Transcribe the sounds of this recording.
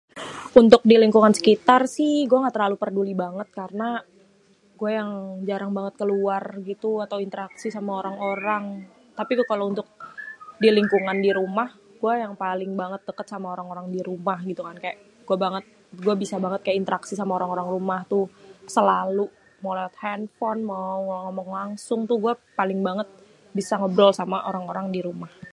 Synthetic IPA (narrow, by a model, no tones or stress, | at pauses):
unt̪ʊk̚diliŋkuŋansə̥kit̪arsɪhɡuaŋat̪əɾlalupərdulibaŋət̪̚karəna | ɡuajaŋd͡ʒaɾaŋbaŋət̪̚kəluarɡit̪uat̪awint̪əɾaksisamaoɾaŋoɾaŋ | t̪apikkalount̪ʊk̚diliŋkuŋandiɾumah | ɡuajaŋpalɪŋbaŋət̪̚dəkət̪samaoɾaŋoɾaŋdiɾumahɡit̪ukankajaʔ | ɡ̥uabaŋət̪̚ | ɡuabisabaŋət̪̚kajaʔint̪əɾaksisamaoɾaŋoɾaŋrumaht̪usəlalu | malawat̪̚hɛnfɔnmawŋŋomɔŋlaŋsʊŋt̪ʊhɡuapalɪŋbaŋət̪̚ | bisaŋəbɾɔlsamaʔoɾaŋoɾaŋdiɾumah